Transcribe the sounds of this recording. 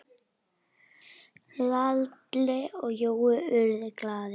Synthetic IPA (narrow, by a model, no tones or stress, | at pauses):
lalt̪lɪɔɣjoːwʏʏɾðɪklaːðɪ